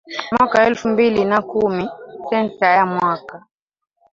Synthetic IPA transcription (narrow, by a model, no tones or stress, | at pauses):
mwakaɛlfumbilinakumisɛnsajamwaka